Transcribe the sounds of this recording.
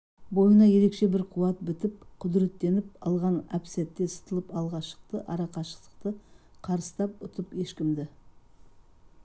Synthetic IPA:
bo̞jənɑje̞ɾe̞kʃe̞bɪɾqʰuwɑt̪̚bɪt̪ɪp̚qʰʊd̪ɾe̞t̪ːe̞nɪpɑlˠʁɑnæpsæt̪ːe̞sə̥t̪əlˠəpɑlˠʁɑʃə̥q̚t̪əʔɑɾɑqɑʃə̥qt̪ə̥q̚t̪ə | qʰɑɾəst̪ɑp̚ʊt̪əpe̞ʃkʲɪmd̪ɪ

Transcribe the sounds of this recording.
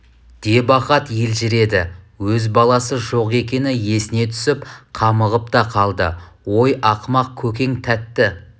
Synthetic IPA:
d̪̥e̞bɑqɑt̪jelʒɪɾe̞d̪ɪ | wɵzbɑlˠɑsəʒo̞qe̞kʲe̞nɪje̞sɪne̞t̪ʰʏ̥sɪpqʰɑməʁəpt̪ɑqʰɑlˠd̪ə̰ | wo̞jʔɑqmɑq̚kʲʰɵkʲe̞ŋt̪ʰæt̪ːɪ

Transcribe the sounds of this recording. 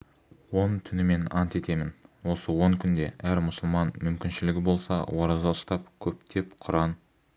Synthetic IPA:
wo̞nt̪ʰʏnɪme̞nɑnt̪e̞t̪e̞mɪnwo̞səwo̞ŋkʲʰʏnd̪e̞ʔæɾmʊsəlˠmɑnmʏmkʲɪnʃɪlɪɡʲɪbo̞lˠsɑ̰wɑɾɑzɑʊst̪ɑp̚kʲʰɵpt̪ʰe̞pqʰʊɾɑn

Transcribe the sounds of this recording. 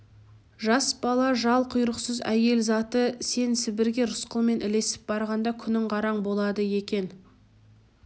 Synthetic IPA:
ʒɑsb̥ɑlˠɑʒɑlˠqʰʊjɾəqsəzæje̞lzɑt̪əse̞nsɪbɪɾɡʲe̞ɾʊsqəlˠme̞nʔɪle̞sɪ̥p̚bɑɾʁɑnd̪ɑkʲʰʏnɪɴqɑɾɑɴbo̞lˠɑd̪əje̞kʲe̞n

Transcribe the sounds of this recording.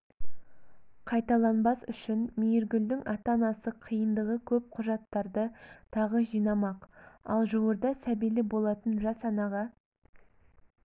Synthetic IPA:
qʰɑjt̪ɑlˠɑnbɑsʏʃɪnmijɪɾɡʲʏld̪ɪŋɑt̪ɑnɑsəqʰijənd̪əʁəkʲʰɵp̚qʰʊʒɑt̪ːɑɾd̪ət̪ʰɑʁəʒijnɑmɑqɑ̰lˠʒuwəɾd̪ɑsæbijlɪbo̞lˠɑt̪ənʒɑsɑnɑʁɑ

